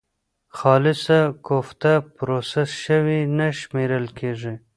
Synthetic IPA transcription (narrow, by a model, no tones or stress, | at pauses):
xɑlɪsakoft̪apɾosesʃəwinaʃmeɾəlkʰeʐi